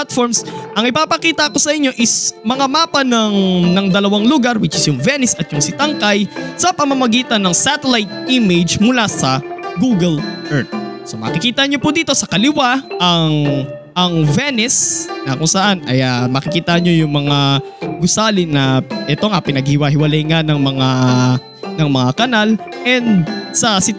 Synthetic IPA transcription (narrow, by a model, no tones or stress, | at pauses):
t̪̚foɹmsʔɐŋɪpaːpɐkiːt̪ɐko̞sɐʔɪɲːo̞ʔɪsmɐŋamaːpɐnɐŋnɐŋd̪ɐlɐwaŋlʊɡaɾwɪt͡ʃɪsjʊŋvɛnɛsɐt̪̚jʊŋsɪt̪ɐŋkajsɐpɐmɐmɐɡiːt̪ɐnːɐŋsat̪ɛlajt̪̚ʔimed͡ʒmʊlasɐɡuɡɛlʔɛɹt̪̚somɐ̰kɪkiːt̪ɐɲopʊd̪iːt̪o̞sɐkɐlɪwaʔɐŋʔɐŋvɛnɛsnɐkʊŋsɐʔanʔɐjɐmɐːkɪkiːt̪ɐɲo̞jʊŋmɐŋaɡʊsaːlɪnːɐʔɛt̪oŋapɪnɐɡ̚hɪwaɦɪwɐlajŋanɐŋmɐŋa | nɐŋmɐŋakɐnalʔɛnd̪̚sɐsɪ